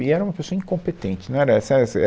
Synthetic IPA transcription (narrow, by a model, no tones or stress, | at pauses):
ɪɛɾɐumɐpesoɐĩŋkõpet̪ẽnt͡ʃɪnɐ̃w̃ɛɾɐɛsɛɛsɐɛ